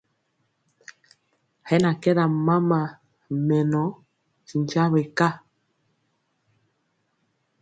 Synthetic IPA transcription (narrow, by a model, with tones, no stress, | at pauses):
hɛ˦na˨kɛ˦ɾa˨ma˦ma˨ | mɛ˨nɔ˨˦ | si˨nt͡ʃa˦βɛ˨ka˦